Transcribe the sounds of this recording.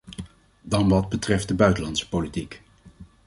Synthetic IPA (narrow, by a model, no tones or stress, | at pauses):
dɑnʋɑd̚bətrɛft̚dəbœɥtəlɑntsə̥politik